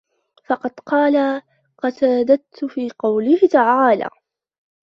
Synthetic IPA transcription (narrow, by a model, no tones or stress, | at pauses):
fɑqɑd̪qɑːla | qɑt̪aːd̪at̪ːfiːqɑwlɪhɪt̪aʕaːla̰ː